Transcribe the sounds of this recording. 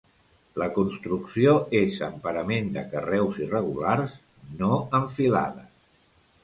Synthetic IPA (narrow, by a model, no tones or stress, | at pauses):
ləkunst̪ɾuksioezə̰mpəɾəmend̪ə̰kərɛwzirəɣulars | noəɱfila̰ðə